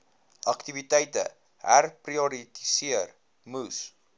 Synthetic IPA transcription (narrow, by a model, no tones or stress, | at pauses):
ʔɐktivitɛjtə̰ | ɦæ̰rpriɔɾiti̥siər | mus